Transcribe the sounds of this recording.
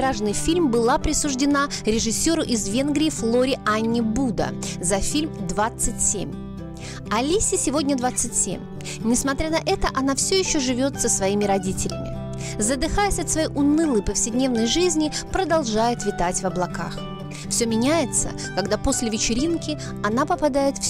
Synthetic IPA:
ɾaʐnɨjfʲilʲmbɨlˠapɾʲɪsʊʐdʲɪnaɾʲɪʐɨsʲo̞ɾʊʔɪzvʲe̞nɡɾʲɪːflˠo̞ɾʲɪanʲːɪbud̪ə̰zɐfʲilʲmd̪vat̪sɨtʲsʲḛmʲ | ɐlʲisʲɪsʲɪvodʲnʲəd̪vat̪sɨtʲsʲḛmʲ | nʲɪsmɐt̪ɾʲanɐʔɛt̪əʔɐnafsʲɵjɪɕːoʐɨvʲo̞t̪səsvɐimʲɪɾɐdʲitʲɪlʲɪ̰mʲɪ̰ | zəd̪ɨxajɪsʲɐt̪svɐjejʔʊnɨlˠəjpəfsʲɪdʲnʲe̞vnəjʐɨzʲnʲɪpɾəd̪ɐlˠʐajɪt̪vʲɪt̪atʲvɐblˠɐka̰x | fsʲɵmʲɪnʲæjɪt̪sə̰ | kɐɡd̪apo̞sʲlʲɪvʲɪt͡ɕɪɾʲinkʲɪ | ɐnapəpɐd̪ajɪt̪f

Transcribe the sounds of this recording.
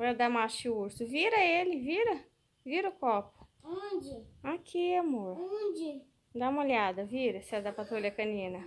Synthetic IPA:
ɔɛd̪amaɾʃiuɾsʊviɾɐelɪviɾɐ | viɾɐʊkɔpʊ̥ɔd͡ʒɪakʰiamoɾod͡ʒɪ | d̪aũmolʲad̪ɐviɾɐsɛd̪apat̪ɾolʲiɐkɐnĩnɐ

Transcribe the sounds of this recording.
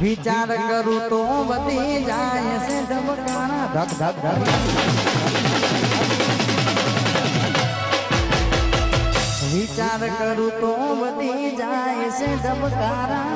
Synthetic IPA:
ʋit͡ʃaːɾkəɾut̪õbəd̪iẽd͡ʒaːjẽsẽd̪əbkaːɾaːd̪ʱəkʰd̪ʱək̚ʰd̪ʱkd̪ə | ʋit͡ʃaːɾkəɾut̪õbəd̪iẽd͡ʒaːesẽd̪əbkaːɾa

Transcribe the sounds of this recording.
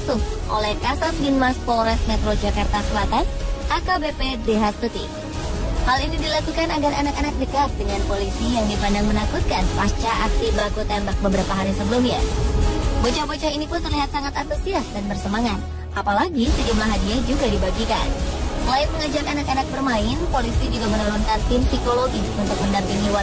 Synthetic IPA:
t̪ʊhʔo̰lɛhkasasɡinmaspoɾɛsmɛt̪ɾod͡ʒakart̪asəlat̪anʔakabepedeɦasput̪ɪ̰k | halinidilakukanaɡaranakanak̚dikas̚dəŋanpolisijaŋdipandaŋmənakut̪̚kanpast͡ʃaʔak̚sibəlakut̪ɛmbak̚bəbəɾapaɦaɾisəbəlumɲa | bot͡ʃahbot͡ʃahinipʊnt̪ərliɦat̪̚saŋat̪ant̪usiasdanbərsəmaŋat̪̚ | ʔapalaɡisəd͡ʒumlaɦadiahd͡ʒuɡadibaɡikansəlaɪt̪̚məŋad͡ʒakanakanak̚bərmaɪnpolisid͡ʒuɡamənuɾɔnkant̪ɪmsikoloɡiunt̪ʊk̚məndampiŋiwa

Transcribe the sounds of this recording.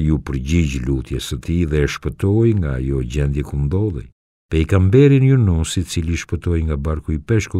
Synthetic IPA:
jupəɾɟiɟlut̪jɛsət̪iðɛʃpət̪ɔjŋɡa̰ːjɔɟɛnd̪jɛkumd̪ɔðˠɛ̰j | pɛikambɛɾinjunɔsit͡siliʃpət̪ɔjŋɡabaɾkuipɛʃku

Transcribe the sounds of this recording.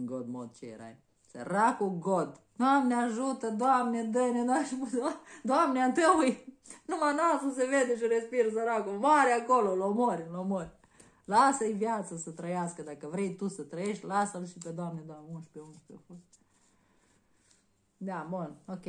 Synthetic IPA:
ɡod̪mod̪̚t͡ʃḛɾa̰j | sə̰ɾakoɡod̪noamnʲeaʒut̪əd̪oamnʲed̪əjned̪aʃp̪ad̪oamneant̪əwuj | numanasus̬eved̪eʃ̬iɾespiɾzəɾakomaɾjakololomoɾʲilomoɾʲ | lasəivjat̪səsət̪ɾəjaskəd̪akəvɾejt̪usət̪ɾəjeʃt̪ʲlasəlʃiped̪oamnʲed̪oamunʃpeunʃpʲefost̪ | d̪amonokʲe

